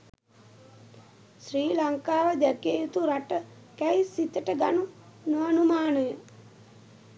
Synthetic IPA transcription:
sɾiːlaŋkaːʋəd̪ækjejut̪uɾaʈə | kæjsit̪əʈəɡanunoanumaːnəjə

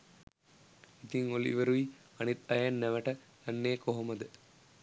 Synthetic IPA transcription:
it̪iŋolḭʋəɾui | anit̪ɐjanːæʋəʈə | lanːeːkoɦoməd̪ə

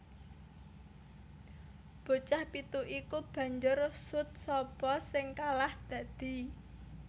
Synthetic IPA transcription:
b̥o̤t͡ʃahpit̪uʔikub̥ä̤ɲd͡ʒʊrsʊt̪̚sɔb̥ɔsɪŋkalahd̪̥ä̤d̪̥i̤

